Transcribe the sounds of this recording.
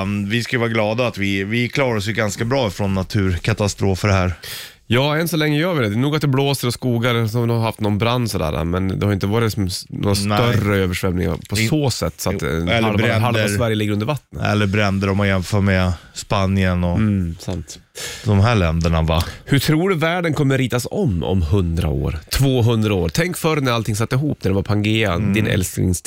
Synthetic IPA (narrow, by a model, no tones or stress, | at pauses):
nvɪskajəvɑːɾaɡlɑːd̪aːt̪vɪvɪkʰlɑːɾaɾɔsjɵɡanskabɾɑːfɾɔnːat̪ʰʉ̟ːɾkʰat̪ast̪ɾoːfəɖɛhæːɾ | jɑːɛnsɔlɛŋːəjøːɾvɪd̪ɛd̪ɛjnuːɡat̪d̪ɛbloːsəɾɔskuːɡaɾsɔd̪ɛhaɾhaft̪nɔnbɾand̪sɔd̪æ̰ːɾa̰mɛnd̪ɛ̰haɾɪnt̪əvɑːɾɪsɔmnʔo̰ːɾasnœrəøːvəʂvɛmnɪŋa̰ɾpʰɔsoːsɛt̪ːsɔaɛlːɦalsvæɾjəlɪɡːɾɵnd̪əɾvat̪ːnəɛ̰lːəbɾɛnd̪əɾɔmɔjɛnfœːmɛspanjənɔsamt̪ | d̪ɔmɦæːɭɛnd̪əɳavahɵʈʰɾuːɖɵvæːɖənkʰɔmːəɾiːt̪asɔmːɔ̰mhɵnd̪ɾa̰o̰ːɾt̪ʰvoːɦɵnd̪ɾaoːɾt̪ʰɛŋkfœɾnæɾalt̪ʰɪŋs̬at̪ːɪɦuːpnæɖɛvaɾpʰaŋɡeːad̪ɪnɛ̰lskɪ̰ŋs